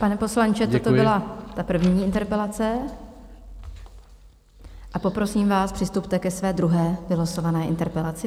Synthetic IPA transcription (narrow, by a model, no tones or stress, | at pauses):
panɛpo̞slaɲt͡ʃɛt̪ot̪obɪlat̪apr̩vɲiːɪnt̪ɛɾpɛlat͡sɛ | ʔapo̞pɾo̞siːmvaːspr̥ɪst̪upt̪ɛkɛsvɛːd̪ɾuɦɛːvɪlasovanɛːʔɪnt̪ɛɾpɛlat͡sɪ